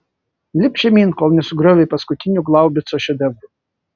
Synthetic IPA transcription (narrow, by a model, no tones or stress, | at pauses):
lʲɪpʲʃʲɛmʲiːnkoːlˠnʲɛsʊɡɾʲɔʋʲɛpɐskʊt̪ʲɪnʲuɡlˠɑʊbʲɪt̪sɔʃʲɔd̪ʲɛʋʊ